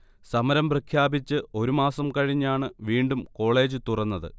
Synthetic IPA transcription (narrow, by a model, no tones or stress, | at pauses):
sɐmɐɾɐmprɐkʰjaːbit͡ɕːɨo̞ɾumaːsɐmkɐɻiɲːaːɳɨʋiːɳɖumko̞ːɭe̞ːd͡ʑɨt̪urɐnːɐðɨ̰